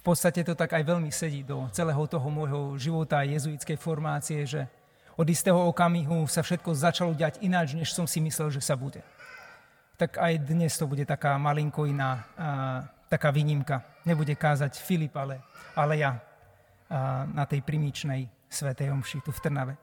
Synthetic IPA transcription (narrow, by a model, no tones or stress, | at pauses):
fpɔt̪st̪acɛt̪ɔt̪aɡajʋɛʎmisɛɟiːd̪ɔt͡sɛlɛːɦɔt̪ɔɦɔmɔjɦɔʒiʋɔt̪aːjɛzuit͡skɛjfɔɾmaːt͡siɛʒɛ | ɔd̪ist̪ɛːɦɔɔkamiɦusafʃɛt̪̚kɔzat͡ʃalɔɟɪaɟinat͡ʃɲɛʃsɔmsimislɛlʒɛsabuɟɛ | t̪akajd̪ɲɛst̪ɔbuɟɛt̪akaːmaliŋkɔinaː | t̪akaːʋiːɲimkaɲɛbuɟɛkaːzacfilipalɛalɛja | nat̪ɛjpɾimit͡ʃnɛj | sʋɛt̪ɛjɔmʃit̪uft̪r̩naʋɛ